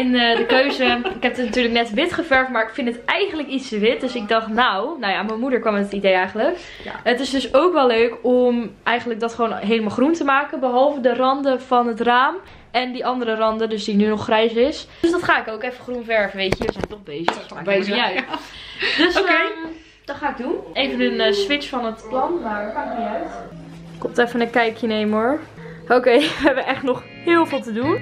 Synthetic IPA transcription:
ɛndəkøːzəɪkɦɛp̚dətnatyːɹləknɛtʋɪtχəfɛɹftmaːɹɪkfɪnətɛjχənləkistəʋɪt̚døsɪk̚dɔχtnawnawjaməmudəɹkʋɔmətidejɛjχəntlək | ətɪsdøsowkʋɛløːkomɛjχəndlək̚dɔtχəʋoːnɦeːləmaːlˠχruntəmaːkənbəɦɔlˠvədərɑndəfɔnɦətraːm | ɛndiʔɑndərərɑndədøsdinynɔχːrɛjsɪsdsdɔtχaːɪkowkɛfəχrunfɛɹvəʋejcəʋəzɛjntɔχbeːzəbezœɥt | døs | d̥ɔtχaːɪɡ̚dunejvənənəsʋɪt͡ʃfɔnətplɔnmakaaœɥt | kɔmtɛfənəkɛjkʰjəneːməoɹ | okeːʋəɛbəʔɛχtnɔχ | hɪːlˠfɪːlˠtədun

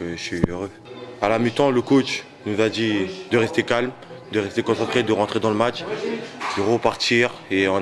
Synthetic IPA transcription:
kəsɥiøʁø | alamyt̪ɑ̃ləkot͡ʃ | nuzad̪id̪əʁɛst̪ekalm | d̪əʁɛst̪ekɔ̃sɑ̃t̪χed̪əʁɑ̃t̪χed̪ɑ̃ləmat͡ʃ | d̪əʁəpaʁt̪iʁeɔ̃

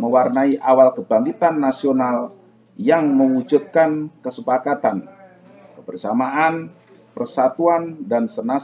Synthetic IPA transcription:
məwarnaiʔawalkəbaŋɡit̪anːasional | jaŋməŋud͡ʒut̪̚kankəsəpakat̪an | kəbərsamaʔan | pərsat̪uandansəna

